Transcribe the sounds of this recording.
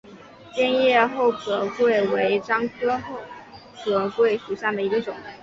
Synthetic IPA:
pjɛ˥˧njɛ˥˧xo˥˩ʊkʰɤ˨˩kwe˥˩ɪwe˧˥ɪʈ͡ʂɑ˥ŋkʰɤ˥xo˥˩ʊ | kʰɤ˨˩kwe˥˩ɪʂu˨˩ɕjɑ˥˩d̪ə˩i˧˥ɡə˧ʈ͡ʂʊ˨˩˦ŋ

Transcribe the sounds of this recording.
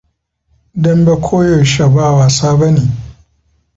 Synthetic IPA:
dɐ˦mbe˦kʷʰoː˦jɔ˨ʃa˨baː˦˨waː˨saː˦bɐ˦neː˨

